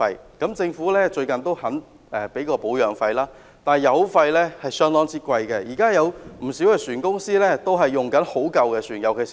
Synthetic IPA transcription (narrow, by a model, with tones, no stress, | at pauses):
ɐ˧jkɐ˨˥mt͡sɪ˧ŋfuː˨˥lɛː˥t͡ʃɵ˧ɥkɐ˨nt̪o˥whɐ˨˥n | ɛ˨˩pe˨˥jkɔː˧po˨˥wjœː˨˩ŋfɐ˧jlaː˥ | t̪aː˨jɐ˨˧wfɐ˧jlɛ˥hɐ˨jsœː˥ŋt̪ɔː˥ŋt͡sʰiː˥kʷɐ˧jkɛ˧jiː˨kaː˥jɐ˨˧wm̩˨˩siː˨˥wkɛː˧syː˨˩nkʊ˥ŋsiː˥lɛː˥t̪o˥wɦɐ˨jːʊ˨ŋkɐ˨˥nho˨˥wkɐ˧wkɛː˧syː˨˩njɐ˨˩wkʰe˨